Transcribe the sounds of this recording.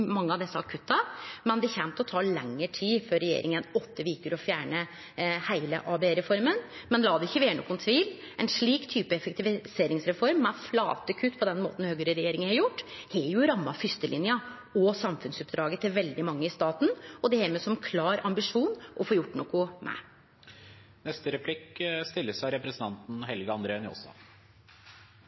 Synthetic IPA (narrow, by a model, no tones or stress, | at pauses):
mɑŋːəɑʋd̪ɛsːəɑkʰʉt̪ːɑmɛnd̪ɛçɛnt̪ɔt̪ʰɑːɭɛ̰ŋːəʈʰiːfœɾɛjḛːɾʔɪ̰ŋənɔt̪ːəʋiːkəɾɔfjæːɳə | hæɪlə̰ʔɑːbɛeɾɛfɔɾmənmɛnlɑːd̪ɛɪçːəʋeːɳɔ̰kːʊnt̪ʰʋiːl | ʔɛnʂɭiːkt̪ʰyːpəɛfək̚t̪ɪʋɪseːɾɪŋsɾɛfɔɾmːɛflɑ̰ːt̪əkʰʉt̪ːpʰɔd̪ɛnmo̰ːt̪n̩høːɡəɾəɾɛjeːɾɪŋəhɑɾjʊʈːhɛjʊɾɑmːɑfʏst̪əlɪnjɑ | ɔsɑmfʉnsʉpd̪ɾɑːɡət̪ʰɪlʋɛld̪ɪmɑŋːəɪst̪ɑːt̪n̩ɔd̪ɛhɛːmɛsɔmkʰlɑːɾɑmbɪʂuːnʔɔfoːjʊʈːnɔkʊmɛ̰ | nɛst̪əɾɛpʰlɪkːst̪ɪlːəsæɪɾɛpɾəsn̩t̪ɑnt̪n̩ɦɛlɡəɑnd̪ɾeːnjo̰ːsɑ̰